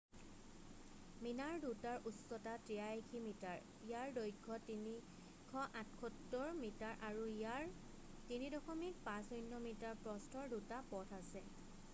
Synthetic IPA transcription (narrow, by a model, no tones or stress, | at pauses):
minaɹdutaɹusɔtatɹijaekʰimitaɹ | ijaɹdojɡʱɔtini | kʰɔʔãtʰkʰɔtːɔɹmitaɹʔaɹuiaɹ | tinidɔxɔmik̚pãsɔjnːɔmitaɹpɹɔstʰɔɹdutapɔtʰasɛ